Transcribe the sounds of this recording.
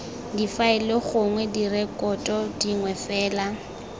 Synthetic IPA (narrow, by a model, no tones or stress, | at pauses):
difaɪleχʊŋwɛdirɛkʼɔtʼɔdiŋwɛfɛːla